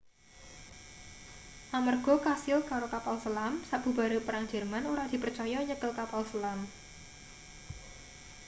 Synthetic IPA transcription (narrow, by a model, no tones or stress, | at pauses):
ʔamarɡ̥ɔ̤kasɪlkaɾokapalsəlamsaʔb̥ṳbaɾepəɾaŋd͡ʒɛrmanuɾad̪̥i̤pərt͡ʃɔjɔɲəkəlkapalsəlam